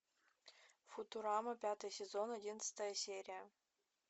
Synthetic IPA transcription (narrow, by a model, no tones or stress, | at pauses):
fut̪uɾɑməpʲat̪ɨjsʲezonɐdʲinət̪st̪əjəsʲeɾʲiə